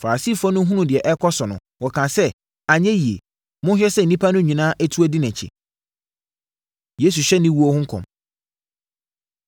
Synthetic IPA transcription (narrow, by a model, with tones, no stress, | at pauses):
fa˨a˨si˦˨fɔ̃˦nʊ̃˦ɦũ˦nũ˨dɪ˨ɛ˨ʔɛ˦kʰɔ˦sɔ˨nʊ̃˨ | wɔ˨kʰã˨sɛ˦ | a˨ɲɛ̃˦ji˨ḛ˨ | mʊ̃˦ɕᶣɛ˦sɛ˦n̩ː˨ĩ˦pʰa˦nʊ̃˦ɲĩ˨nãː˦ʔæ˦tʰu˦o˦dɪ˦næ̃˨t͡ɕʰḭ˨ | je˦s̬u˨ɕᶣɛ˦nɪ̃˦wu˦o˦hʊ̃˦ŋ̩˦kʰɔ̰̃˨m